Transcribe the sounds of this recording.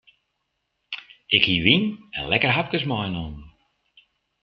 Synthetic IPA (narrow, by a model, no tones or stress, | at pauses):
ɪkhiʋinɛ̰nlɛkərɦap̚kəsmɔjnɔn